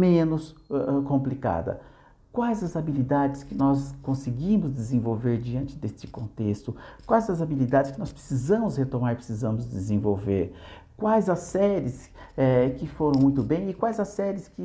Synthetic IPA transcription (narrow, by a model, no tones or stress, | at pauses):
mẽnʊsɛɛkõmplika̰d̪ɐ̰ | kwajzɐzabilid̪ad͡ʒɪskɪnɔskõsɪɡĩmʊzd̪ɪzẽvowveɾd͡ʒiɐ̃nt͡ʃɪd̪est͡ʃɪ̥kõnt̪est̪ʊkwajzɐzabilid̪ad͡ʒɪskɪnɔspɾe̥sizɐ̃mʊshet̪õmaɾpɾesizɐ̃mʊzd̪ɪzẽvowveɾ | kwajzɐsɛɾɪs | ɛkɪfoɾɐ̃w̃mũj̃t̪ʊbẽj̃ɪkwajzɐsɛɾɪskɪ